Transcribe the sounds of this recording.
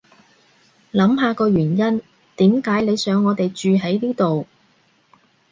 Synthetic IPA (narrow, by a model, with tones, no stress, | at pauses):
lɐ˨˥mɦaː˨˧kɔː˧ɥyː˨˩njɐ˥n | t̪iː˨˥mkaː˨˥jne˨˧jsœː˨˥ŋːɔː˨˧t̪e˨jt͡ʃyː˨ɦɐ˨˥jniː˥t̪o˨w